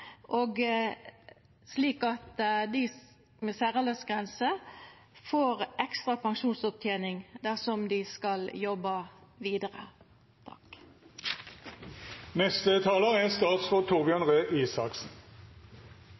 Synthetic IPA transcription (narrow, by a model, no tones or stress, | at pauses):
ʔoːɡ | sliːkɑt̪d̪ɪ | meːsæːʁələsɡʁɛnsə | foːʁʔɛkst̪ʁɑpɑŋʃuːnsɔp̚t̪ʰjeːnɪŋd̪æʁsɔmd̪ɪskɑljɔbɑʋiːd̪əʁə̰ | t̪ʰɑ̰k | nɛst̪ət̪ʰɑːləʁɛst̪ɑːt̪sfɔt̪ʰʊʁbʏøːnʁeːʔiːsɑksn̩